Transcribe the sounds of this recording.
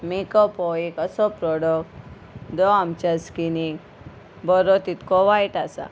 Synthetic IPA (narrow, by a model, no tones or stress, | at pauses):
mikɔpɔikəsɔpɾɔɽəkʈ | d̪ɔamt͡ɕəskinik | bɔɾɔt̪it̪kɔʋajʈasa̰